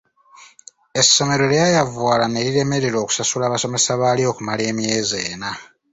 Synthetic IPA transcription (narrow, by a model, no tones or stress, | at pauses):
e̞sːo̞me̞ɾo̞ljajavwaːlane̞liɾe̞me̞ɾe̞ɾo̞ːku̥sasulaːβaso̞me̞saβaːlijo̞ːkumale̞ːmje̞ːze̞ːna